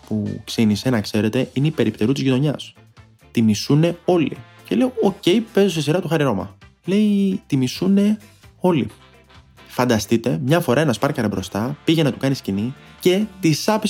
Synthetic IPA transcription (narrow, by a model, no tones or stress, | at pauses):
puksinise̞nɐkse̞ɾe̞t̪e̞ʔineipe̞ɾipt̪e̞ɾut̪izʝit̪o̞ɲɐs | t̪imisune̞o̞lḭ | celeooce̞jpe̞zosisiɾɐt̪uxɐɾiɾo̞mɐ̰ | le̞it̪imisune̞o̞lḭ | fɐnd̪ɐst̪it̪e̞mɲɐfo̞ɾɐe̞nɐspɐɾkɐɾɐbɾo̞st̪ɐpiʝenɐt̪ukɐniscinice̞t̪isɐpi